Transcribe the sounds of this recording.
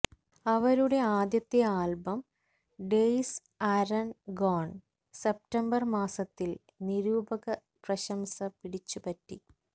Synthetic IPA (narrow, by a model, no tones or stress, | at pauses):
ɐʋɐɾuɽe̞aːd̪jɐt̪ːjɐaːlbɐm | ɖejs | aːɾɐnɡoːɳ | sep̚ʈɐmbɐrmaːsɐt̪ːil | niɾuːbɐɣɐ | prɐɕɐmsɐpiɽit͡ɕːupɐtːi